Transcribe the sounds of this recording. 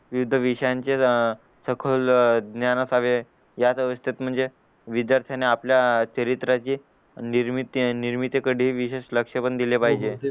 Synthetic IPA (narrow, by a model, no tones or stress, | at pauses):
ʋiʋud̪ʱəʋiʂəjaɲt͡ɕe | səkʰəld̪njanəsaʋe | jat͡səʋəst̪ʰet̪m̤əɳd͡ze | ʋid̪jaɾt̪ʰjaneapljat͡ɕəɾit̪ɾat͡ɕiː | niɾmit̪iniɾmit̪ekəɽiʋiɕeʂləkʂəpəɳd̪ilepaɦid͡ʑe